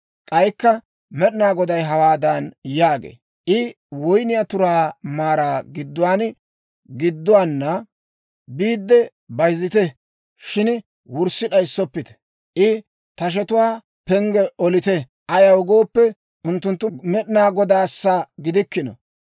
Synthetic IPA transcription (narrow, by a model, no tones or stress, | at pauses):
kʼɐjkːɐ | mɛɗɪnaːɡɔd̪ɐjɦɐwaːd̪ɐnjaːɡḛː | ʔɪ | wɔjnɪjat̪ʊɾaːmaːɾaːɡɪd̪ːʊwaːn | ɡɪd̪ːʊwaːnːɐ | biːd̪ːɛ | bɐjzɪt̪ɛ | ʃɪn | wʊɾsɪɗɐjsːɔpːɪt̪ɛ̥ | ʔɪ | t̪ɐʃ̬ɛt̪ʊwaː | pɛŋɡɛʔɔlɪt̪ɛ | ʔɐjɐwʊɡoːpːɛ | ʔʊnt̪ːʊnt̪ːʊmɛɗnaːɡɔd̪aːsːaɡɪd̪ɪkːɪnɔ̰